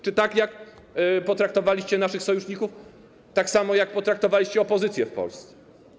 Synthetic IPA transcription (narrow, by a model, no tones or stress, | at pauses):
t͡ʂɘt̪akjak | pɔt̪ɾak̚t̪ɔvalʲiɕt͡ɕɛnaʂɘxsɔjuʂɲikuf | t̪aksamɔjak̚pɔt̪ɾak̚t̪ɔvalʲiɕt͡ɕɛɔpɔzɘt̪sʲjɛfpɔ̰lst̪sɛ̥